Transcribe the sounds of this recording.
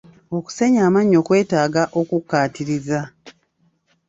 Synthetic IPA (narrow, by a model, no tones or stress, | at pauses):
o̞ku̥se̞ɲaːmaɲːo̞ːkwe̞ːtaːɡaʔo̞kukːaːtiɾiza